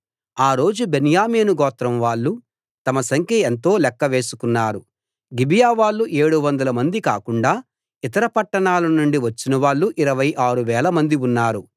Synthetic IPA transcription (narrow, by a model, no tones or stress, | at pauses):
aːɾo̞ːd͡ʒubenjaːmeːnuɡɔːt̪ɾɐmʋaːɭːu | t̪ɐmɐsɐŋkʰjɐent̪o̞ːlɛkːɐʋe̞ːsu̥kunːaːɾu | ɡibijaːʋaːɭːuʔe̞ːɽuʋɐnd̪ɐlɐmɐnd̪ika̰ːkuɳɖaː | it̪ɐɾɐpɐʈːɐɳaːlɐnuɳɖiʋɐt͡ʃːinɐʋaːɭːuʔiɾɐʋɐjʔaːɾuʋɛːlɐmɐnd̪iunːaːɾu